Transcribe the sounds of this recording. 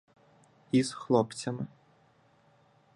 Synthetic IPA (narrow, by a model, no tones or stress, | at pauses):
izxlˠɔpt͡sʲɐmɪ